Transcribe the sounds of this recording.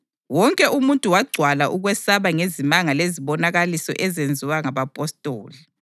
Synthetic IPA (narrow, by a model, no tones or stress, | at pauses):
wɔŋkʼɛʔumuntʼuwaɡ͡ǀʱwalaʔuɣwɛsaβaŋezimaŋaleziβɔnaɣalisɔ̰ʔɛzend͡zʱiwaŋaβapʼɔstʼoːli